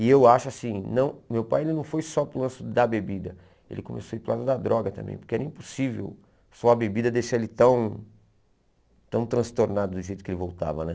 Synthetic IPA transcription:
ɪewaʃʊasĩnɐ̃w̃mewpajelɪnɐ̃w̃fojsɔpɾʊlɐ̃sʊd̪ɐbebid̪ɐ | ḛlɪkõmḛsoipɾʊlad̪ʊd̪ɐd̪ɾɔɡɐt̪ɐ̃mbḛ̃j̃poɾkeɛɾɐĩpo̥sivḛw | sɔɐbebid̪ɐd̪eʃaelɪt̪ɐ̃w̃ | t̪ɐ̃w̃t̪ɾɐ̃st̪oɾnad̪ʊd̪ʊʒejt̪ʊ̥kelɪvowt̪a̰vɐnɛ

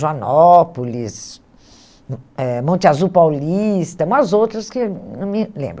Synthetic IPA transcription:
ʒɐnɔpolis | ɛmõnt͡ʃ̪ɪazupawlist̪ɐmɐzowt̪ɾɐskɪnɐ̃mɪlḛ̃mbɾ

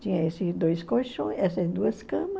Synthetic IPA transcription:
t͡ʃĩɲɐ̃esɪd̪ojskojʃõɛsɐd̪uɐskɐ̃mɐ

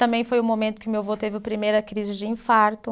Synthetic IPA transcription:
t̪ɐ̃mbẽj̃fojʊmomẽnt̪ʊ̥kɪʊmewvot̪evɪʊpɾimejɾɐkɾizɪd͡ʒɪĩfaɾt̪ʊ

